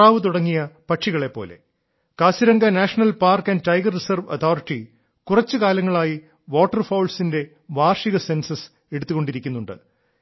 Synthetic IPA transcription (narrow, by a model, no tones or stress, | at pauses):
aːʋɨt̪̬uɽɐŋːijɐpɐʈʂiɣɐɭe̞pːo̞̰ːle̞̰ | kaːɕiɾɐŋɡɐnaːʂɐnɐlpaːrkɐnʈɐjɡɐrːisɐrʋɐt̪ʰoːriʈːi | kurɐt͡ɕːɨkaːlɐŋːɐɭaːji | ʋoːʈːɐrfɐwlsinde̞ | ʋaːrʂiɣɐse̞nsɐs | eɽut̪ːuɣo̞ɳɖiɾikʲːunːuɳɖɨ̰